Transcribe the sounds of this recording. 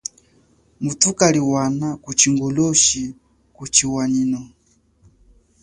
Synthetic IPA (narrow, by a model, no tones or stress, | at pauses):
mutukaliwanakut͡ʃiŋɡɔlɔʃi | kut͡ʃiwaɲinɔ